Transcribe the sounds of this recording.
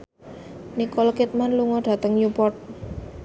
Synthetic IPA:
nikɔlkit̪̚manluŋɔɖ̥a̤t̪əŋjupɔrt̪̚

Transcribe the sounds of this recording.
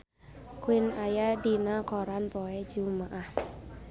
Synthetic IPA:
kʰwinajadinakʰɔɾanpɔɛd͡ʒumaʔa

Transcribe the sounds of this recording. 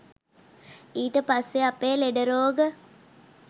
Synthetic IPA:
iːt̪əpasːeapeːleɖəɾoːɡə

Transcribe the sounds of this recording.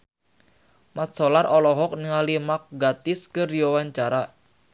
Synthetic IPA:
mat̪sɔlarɔlɔɦɔk̚niŋalimak̚ɡat̪ɪskərjowaɲt͡ʃaɾa

